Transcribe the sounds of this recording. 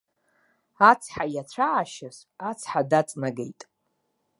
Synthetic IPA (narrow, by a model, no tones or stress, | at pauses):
at͡sʰħajat͡ɕʷʰaːʃaz | at͡sʰħadat͡sʼnaɡejtʼ